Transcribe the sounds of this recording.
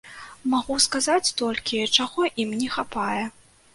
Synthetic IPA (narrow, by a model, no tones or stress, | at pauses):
maɣuskazat͡sʲt̪ɔlʲkʲit͡ʂaɣɔʔimnʲɛxapajɛ